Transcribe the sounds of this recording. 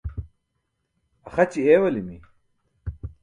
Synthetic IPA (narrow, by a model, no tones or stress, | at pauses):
ɐxɐt͡ɕieːwɐlimi